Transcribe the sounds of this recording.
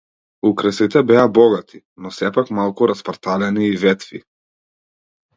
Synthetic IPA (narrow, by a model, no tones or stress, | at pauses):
ukɾəsit̪ɛbɛabɔɡat̪ʰi̥ | nɔsɛpakmalˠkuɾaspaɾt̪alɛniːvɛt̪fḭ